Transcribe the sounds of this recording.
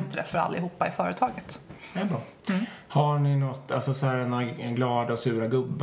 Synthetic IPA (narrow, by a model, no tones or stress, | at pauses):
nt̪ɾɛ̰fœɾa̰lːɪɦuːpːaɪfœːɾət̪ʰɑːɡət̪ɛɾbɾɑː | haɳɪnɔt̪ːalsɔsɔhæːɛnaɡlɑːd̪aɔsʉ̟ːɾaɡɵbːa